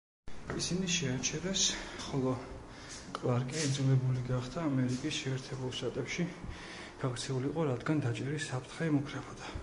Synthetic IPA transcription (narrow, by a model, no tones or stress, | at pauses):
isiniʃɛat͡ʃʰɛɾɛsχɔlˠɔ | kʼlˠaɾkʼiɛd̪zulɛbuliɡaχd̪ʰaːmɛɾikʼisʃɛːɾt̪ʰɛbulˠʃt̪ʼat̪ʼɛpʃi | ɡ̥akʰt̪sʰɛuliqʼɔɾad̪ɡand̪at͡ʃʼɛɾisapʰɾt̪ʰχɛɛmukʰɾɛbɔd̪̥a